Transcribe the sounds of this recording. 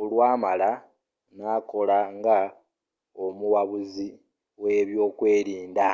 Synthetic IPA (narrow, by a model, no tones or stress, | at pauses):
olwaːmala | naːko̞laŋɡa | omuwaβuzi | we̞ːβjo̞ːkwe̞ːɾiːnda